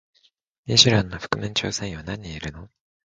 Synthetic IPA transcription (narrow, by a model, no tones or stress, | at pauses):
mʲiʑiɾãnːoɸɯ̟̥kɯ̟mẽɲt͡ɕo̞ːsẽɰ̃βanaɲ̟iːɾɯ̟no̞